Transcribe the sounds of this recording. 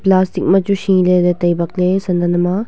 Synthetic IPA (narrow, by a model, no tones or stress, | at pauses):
plaːstik̚mɐt͡ʃuʃĩled̪et̪ɐjbɐk̚lesɐnd̪ɐnɐma